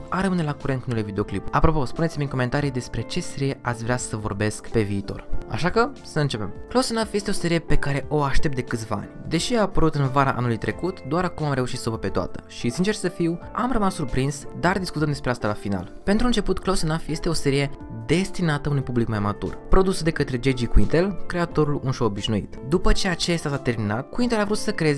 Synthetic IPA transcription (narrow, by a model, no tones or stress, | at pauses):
aɾəmɨne̞lakuɾet̪unulevid̪eo̞klḭpapɾo̞po̞spune̞t̪imiko̞me̞nt̪aɾijd̪e̞spɾe̞t͡ʃe̞seɾije̞ʔat̪sʲvɾeasəvo̞̰rbe̞skpe̞viːt̪o̞̰ra̰ʃakəsəɨnt͡ʃe̞pe̞̰mklowsenafje̞st̪e̞o̞se̞ɾije̞pe̞kaɾe̞ʔo̞aʃt̪ep̚t̪d̪e̞kɨt̪sʲvaa̰nʲd̪e̞ʃiapəɾut̪ɨnvaɾaʔa̰nulujt̪ɾe̞kut̪d̪oaɾakumamɾe̞uʃit̪səvəpe̞t̪oa̰t̪ə̥ʃisint͡ʃe̞rsəfiwamrəmasːurpɾinsd̪ard̪iskut̪əmd̪espɾeast̪alafina̰lpent̪ɾuɨnt͡ʃe̞put̪klowsenafje̞st̪e̞o̞se̞ɾije̞ | d̪e̞st̪inat̪əunujʲpublikmajamat̪ṵrpɾo̞d̪usud̪e̞kət̪ɾe̞d͡ʒed͡ʒikuint̪e̞lkɾe̞at̪o̞ɾulunʃowobiʃnuḭt̪d̪upət͡ʃeat͡ʃest̪asat̪e̞rminat̪̚kuint̪e̞lavɾut̪səkɾe̞z